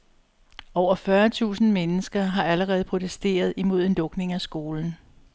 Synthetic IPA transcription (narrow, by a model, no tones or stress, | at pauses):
ɒʊ̰ɐfɶɐt͡sʰṵːsn̩menəsɡ̥ɐɦɑ̈æləʁɛːð̞̩ˠpʰo̝t͡sʰesd̥e̝̰ːɐð̞ˠimo̝ð̞̰ˠenlɔ̽ɡ̥ne̝ŋæsɡ̥o̝ːln̩